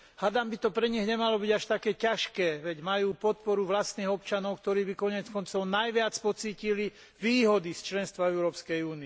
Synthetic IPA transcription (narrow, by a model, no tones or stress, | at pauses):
had̪ambit̪ɔpɾɛɲiɣɲɛmalɔbiɟaʃt̪akɛːcaʃkɛːʋɛɟmajuːpɔt̪̚pɔɾuʋlast̪niːɣɔpt͡ʃanɔʊkt̪ɔɾiːbikɔɲɛt͡skɔnt͡sɔʊnajʋɪat͡spɔt͡siːcili | ʋiːɦɔd̪ist͡ʃlɛnst̪ʋaɛʊɾɔːpskɛjuːni